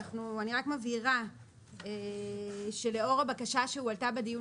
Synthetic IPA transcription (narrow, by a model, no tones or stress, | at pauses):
χnuaniʁakmaviʁa | e | ʃe̞le̞o̞ʁabakaʃaʃeualtabediju